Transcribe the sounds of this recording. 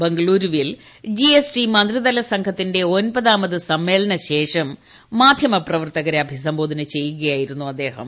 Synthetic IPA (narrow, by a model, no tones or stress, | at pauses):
beŋɡɐɭuːɾuʋil | d͡ʑiesʈimɐnd̪rid̪ɐlɐsɐŋɡʰʱɐt̪ːinde̞o̞nbɐðaːmɐðɨsɐmːe̞ːlɐnɐɕe̞ːʂɐmː | aːd̪ʱjɐmɐprɐʋɐrt̪ɐɣɐɾɐbʱis̬ɐmbo̞ːd̪ʱɐnɨt͡ɕe̞jːuɣɐjaːjiɾunːuɐd̪ːe̞ːhɐ̰m